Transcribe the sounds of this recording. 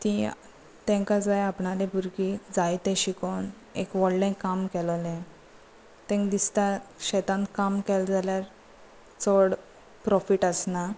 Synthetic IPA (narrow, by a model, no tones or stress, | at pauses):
t̪ĩ | t̪ɛ̃ŋkãd͡zajapɳalebʱuɾkid͡zajt̪ɛ̃ɕikon | ḛkʋɔɽɖẽkːamkɛllẽ | t̪ɛ̃ŋkd̪ist̪aɕɛt̪ãnt̪kamkɛld͡zaljaɾ | t͡sɔɽ | pɾɔfiʈəsna